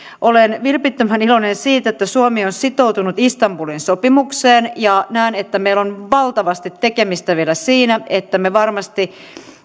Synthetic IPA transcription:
ʔolenʋilpit̪ːømænilonensiːt̪et̪ːæsuomionsit̪owt̪unut̪ist̪ɑmpulinsopimukseːnjɑnæːnet̪ːæmeilonʋɑlt̪ɑʋɑst̪it̪ːekemist̪æʋielæsiːnæet̪ːæmeʋɑrmɑst̪i

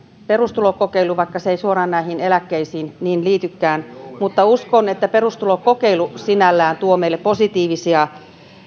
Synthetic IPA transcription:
perust̪ulokokeiluʋɑikːɑseeisuorɑːnnæihinelækːeisiːnniːnliːt̪ykːæːnmut̪ːɑuskonet̪ːæperust̪ulokkokeilusinælːæːnt̪uomeilepposit̪iːʋisiɑ

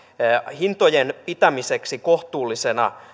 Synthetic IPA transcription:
hint̪ojenpit̪æmise̞ksikoht̪uːlːise̞nɑ̰

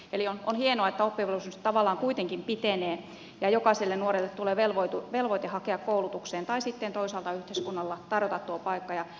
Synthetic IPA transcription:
eliononhienoɑet̪ːæopːiɑʋelusynst̪ɑʋɑlːˑɑːŋkuit̪eŋkimpit̪eneː | jɑjokɑselːennuorelːet̪t̪uleːʋelʋoit̪uʋelʋoit̪ehɑkeɑkkoulut̪ukseːnt̪ɑisit̪ːent̪oisɑːlt̪ɑyht̪eˑiskunːɑlːɑt̪ɑrjot̪ɑt̪t̪uopɑikːɑjɑ

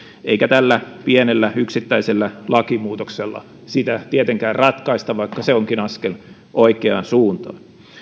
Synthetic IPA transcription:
eikæt̪ælːæpienelːæyksit̪ːæiselːælɑkimuːt̪okselːɑ̰ | sit̪æt̪iet̪eŋkæːrrɑt̪kɑist̪ɑʋʋɑikːɑseoŋkinɑskel | ʔoikeɑ̰nsuːnt̪ɑ̰ːn

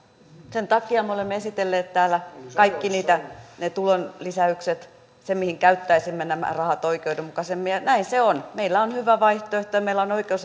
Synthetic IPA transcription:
sent̪ɑkiɑmeolemːeesit̪elːeːt̪t̪æːlːækɑikːiniːt̪ænet̪ulonlisæykset̪ | semihiŋkæyt̪ːæisimːenæmæ̰rɑhɑt̪oikeudemukɑsemːijɑnæinseonmeilːæonhyʋæʋɑiht̪oeht̪oɑmeilːæonoikeus

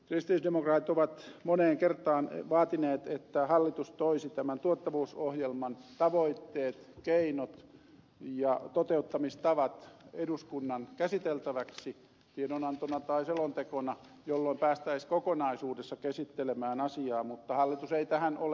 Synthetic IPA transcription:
krist̪iisdemokrɑːt̪it̪oʋɑt̪moneːŋkert̪ɑːnʋɑːt̪ineːt̪et̪ːæhɑlːit̪ust̪oisit̪æmænt̪uot̪ːɑʋuːsohjelmɑnt̪ɑʋoit̪ːeːt̪keinot̪ | jɑt̪ot̪eut̪ːɑmist̪ɑʋɑt̪eduskunːɑnkæsit̪elt̪æʋæksi | t̪ienonɑnt̪onɑt̪ɑiselont̪ekonɑ | jolːoimpæːst̪æiskokonɑisuːdesːɑkesit̪ːelemæːnɑsiɑːmut̪ːɑhɑlːit̪useit̪æhænol

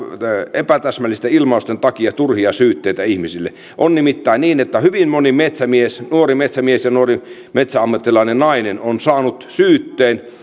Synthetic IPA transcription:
epæt̪æsmælːˑist̪æilmɑust̪ent̪ɑkiɑt̪urhiɑsyːt̪ːeit̪æihmisilːḛ | ʔonnimit̪ːæinniːnet̪ːæhyʋinmonimet̪sæmiesnuorimet̪sæmiesjɑnuori | met̪sæɑmːɑt̪ːilɑinennɑinenonsɑːnut̪syːt̪ːeːn

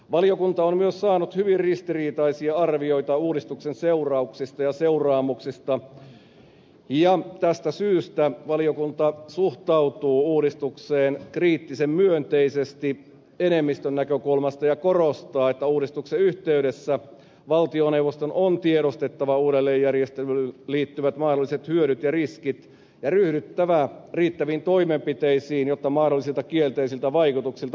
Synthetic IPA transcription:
ʋɑlijokunt̪ɑommyøssɑːnut̪hyʋirrist̪iriːt̪ɑisiɑɑrʋio̞it̪ɑuːɾist̪uksenseurɑuksist̪ɑjɑseurɑːmuksist̪ɑ | jɑt̪æst̪æsyːst̪æʋɑliokunt̪ɑsuht̪ɑwt̪uːuːɾist̪ukseːnkriːt̪ːisemmyønt̪eisest̪i | enemːist̪ønːækøkulmɑst̪ɑjɑkorost̪ɑːet̪ːæuːɾist̪ukseyht̪eyɾesːæ | ʋɑlt̪ioneuwʋˑost̪onont̪ieɾost̪et̪ːɑʋɑuːɾelːeːjjærjest̪elylyliːt̪ːyʋæt̪mɑhdolːˑiset̪hyøɾyt̪jɑriskit̪ | jɑryhdyt̪ːæʋæriːt̪ːæʋiːnt̪oimempit̪eisiːnjot̪ːɑmɑhdolːisilt̪ɑkielt̪eisilt̪ɑʋɑikut̪uksilt̪ɑ

